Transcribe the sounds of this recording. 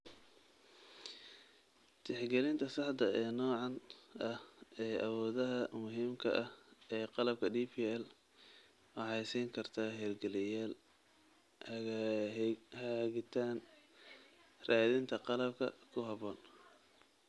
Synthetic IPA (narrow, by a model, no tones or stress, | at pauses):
t̪ʰɪħɡɛlɪnt̪ʰɐsɑħd̪ɐɛːnɔːʕɑnɐhɛːʔɐwɔːðɐɦɐmʊɦiːmkʰɐ̰ʔɐhɛːqɑlɐb̚kʰɐdiːpʰiɛl | wɑħɑjsiːŋkʰɐrt̪ʰaːɦɛːrɡɛlɪjaːl | h | hɐɣɪt̪ʰaːn | raːðɪnt̪ʰɐqɑlɐbkʰɐ̰kʰʊɦɐβɔːn